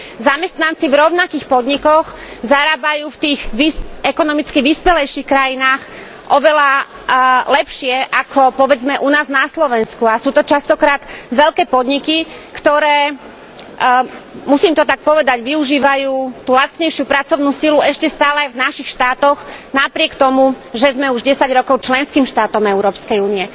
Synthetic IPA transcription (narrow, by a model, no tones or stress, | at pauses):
zamɛst̪nant͡sivɾɔʊnakiːxpɔd̪ɲikɔxzaɾaːbajuːft̪iːɣʋiɛkɔnɔmit͡skiʋispɛlɛjʃixkɾajinaːx | ʔɔʋɛla | lɛpʃɪɛʔakʰɔpɔʋɛd͡zmɛʔunaːznaslɔʋɛnskuasuːt̪ɔt͡ʃast̪ɔkɾaːd̪̥ʋɛʎkɛːpɔd̪ɲikikt̪ɔɾɛː | musiːmt̪ɔt̪ak̚pɔʋɛd̪aɟʋiuʒiːʋajuːt̪uːlat͡sɲɛjʃɪupɾat͡sɔʊnuːsiluɛʃcɛst̪aːlɛajvnaʃixʃt̪aːt̪ɔɣnapɾɪɛkt̪ɔmu | ʒɛzmɛuʒɟɛsaɟɾɔkɔʊt͡ʃlɛnskiːmʃt̪aːt̪ɔmɛʊɾɔːpskɛjuːniɛ